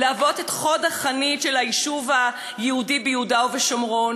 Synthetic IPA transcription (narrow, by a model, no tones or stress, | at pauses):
leavo̞tetχo̞daχanitʃelaiʃuva | jehudibejudaoveʃomʁo̞n